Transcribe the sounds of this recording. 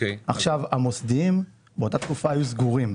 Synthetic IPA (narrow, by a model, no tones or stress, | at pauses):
eʔaχʃavamosd̪iim | beot̪at̪kufaːjuzɡuʁim